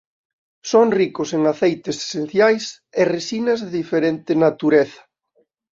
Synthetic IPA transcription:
soŋrikʊseŋaθejt̪ese̥sen̟θjajs | eresinɐzðeðifeɾent̪ɪnat̪uɾeθɐ̥

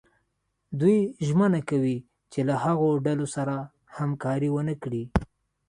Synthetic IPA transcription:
d̪ujʒmənakawi | t͡ʃelahaɣoɖalosaɾa | hamkɑɾiwənəkɽi

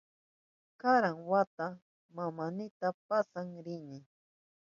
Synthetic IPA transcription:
kaɾaŋwat̪a | mamanɪt̪ap̚asaŋɾɪnɪ

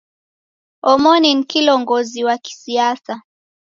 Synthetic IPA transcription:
ɔmɔninkilɔŋɡɔziwaki̥siasa

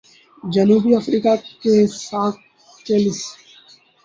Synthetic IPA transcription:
d͡ʒənuːbiːəfɾiːkakesaːk̪̚ | t͡ʃeːlɪs

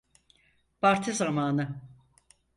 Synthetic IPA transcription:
baɾt̪ʰɯzamaːnɯ

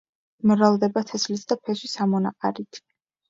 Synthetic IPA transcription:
mɾalˠd̪ɛbat̪ʰɛslisʰd̪apʰɛswisamɔnaqʼa̰ɾit̪ʰ

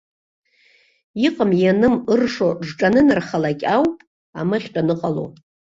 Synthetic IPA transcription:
iqʼəmjanɨmɨrʂoʐʈ͡ʂʼanɨnɨrχalakʲʼawpʼ | a̰maχʲtʼanɨqʼalo̰

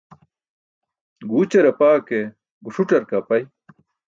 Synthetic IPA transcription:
ɡuːt͡ɕɐɾɐpaːke | ɡuʂuʈɐɾkapɐj

